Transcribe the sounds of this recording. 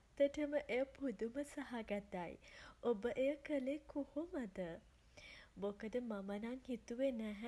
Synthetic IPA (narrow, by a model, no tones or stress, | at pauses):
t̪ːəʈəməʔeəpud̪uməsaɦaɡat̪ːajobəʔeəkəlekuhuməd̪ə | bokəd̪əmamənaŋhit̪uʋenæɦ